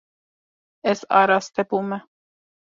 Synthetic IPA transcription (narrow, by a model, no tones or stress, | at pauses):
ɛsɑ̰ɾɑst̪ɛpumɛ